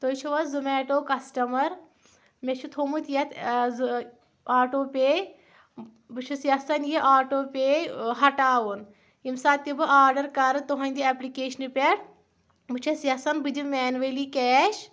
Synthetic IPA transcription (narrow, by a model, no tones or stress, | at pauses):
t̪ot͡ʃʰuʋɐzumeːʈoːkɐsʈɐmɐɾ | mʲet͡ʃʰut̪ʰomut̪ʰjɐt̪ʰ | aːʈoːpʲe | bɨt͡ʃʰɐsjɐsɐnjiʔaːʈoːpʲeɦɐʈaːʋun | imsaːt̪ibɨʔaːɾɖɐɾkɐɾɨt̪oɦɐ̃nʲd̪iɐplikeːʃɐnɨpʲeɽ | mɨt͡ʃʰɐsjɐsɐnbɨd̪imʲɛːnʋelikɛːʃ